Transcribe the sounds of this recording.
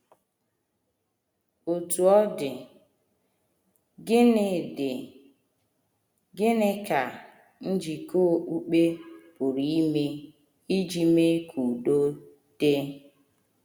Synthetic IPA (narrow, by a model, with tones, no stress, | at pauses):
o˨tu˨ɔ˦dɪ˨ | ɡɪ˦nɪ˨dɪ˨ | ɡɪ˦ne˦ka˨ | n̩˦d͡ʒi˨ko˦˨ʔu˦k͡pe˦pʊ˨ɾi˨i˦me˦ | i˦d͡ʒi˨me˦kʰu˨do˦ | d̥e˦